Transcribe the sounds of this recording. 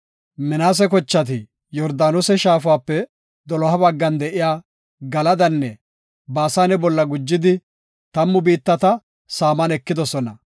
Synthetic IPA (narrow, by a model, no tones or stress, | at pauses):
mɪnaːs̬ɛk̬ɔt͡ʃːɐt̪̬ɪ | jɔɾd̪aːnosɛʃaːfaːpːɛ | d̪ɔlɔɦɐbɐɡːɐnd̪ɛʔɪjaː | ɡɐlɐd̪ɐnːɛ | baːsanɛbɔlːɐɡʊd͡ʒːɪd̪ɪ | t̪ɐmːʊbiːt̪ːɐt̪ɐ | saːmɐnɛkːɪd̪ɔsɔnɐ̰